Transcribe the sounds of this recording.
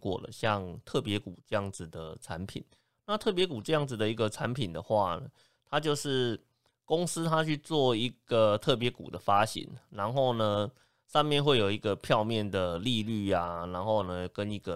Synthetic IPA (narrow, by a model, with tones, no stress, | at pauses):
kwɔ̰˨˩lə̰˩ɕjɑ˥˧ŋt̪ʰɤ˥˩pjɛ˧˥ku˨˩ʈ͡ʂɤ˥˧jɑ˥˩ŋd͡zɹ̩˨d̪ə˩ʈ͡ʂʰa˧˦npʰḭ˨˩˦n | na˥˧t̪ʰɤ˥˩p̬jɛ˧˥ku˨˩ʈ͡ʂɤ˥˧jɑ˥˩ŋd͡z̩˨˩d̪ə˩i˧˥ɡə˨ʈ͡ʂʰa˧˦npʰi˨˩nd̪ə˩xwa˥˩nə˩ | t̪ʰa˦t͡ɕjo˥˧ʊʂɻ̩˥˩ | ko˦˥ŋsɹ̩˥t̪ʰa˥t͡ɕʰy˥˧t͡swɔ˥˩i˧˥ɡ̥ə˨t̪ʰɤ˥˩p̬jɛ˧˥kṵ˨˩d̪ə˦fa˦ɕḭ˨˦ŋɻa˧˦nxo˥˩ʊnə˩ | ʂɑ˥˧ŋmjɛ˥˧nxwe˥˩ɪjo˨˩ʊi˧˦˥ɡə˨pʰjɑ˥˧ʊmjɛ˥˨˩nd̪ə˩li˥˧ly˥˩a˨na˧˥nxo˥˩ʊnə˩kə˦ni˧˥ɡə˨